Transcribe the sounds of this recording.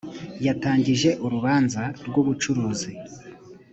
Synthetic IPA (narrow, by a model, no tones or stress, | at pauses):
jataːɲɟiʒe̞ʔuɾuβaːnzaɾɡoβut͡ʃuɾuːzi